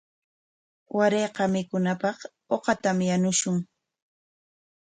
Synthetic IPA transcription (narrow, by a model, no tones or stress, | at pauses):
waɾeːqɑmɪkʊnapɑχ | oqɑt̪amjanʊʃʊŋ